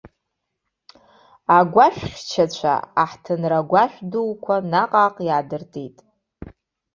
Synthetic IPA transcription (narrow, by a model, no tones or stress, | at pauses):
aɡʷaʃᶣʷχʲt͡ʃʰat͡ɕʷʰa̰aħtʰɨnraɡʷaʃʷᶣdulkʷʰanaqʼaːqʼjaːdɨrtʰʼetʼ